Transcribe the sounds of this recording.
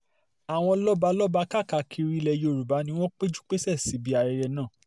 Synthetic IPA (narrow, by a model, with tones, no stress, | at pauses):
a˨w̃ɔ̃˧lɔ˦ba˧lɔ˦ba˧ka˦˨ka˨kʰi˨˧ɾi˦˧lɛ˧jo˨ɾu˨ba˨˦nĩ˧w̃ɔ̃˦k͡pe˦d͡ʒu˦k͡pe˦sɛ˦˨si˨˦bi˧˦a˧ɾɛ˧ɾɛ˧nãː˦˨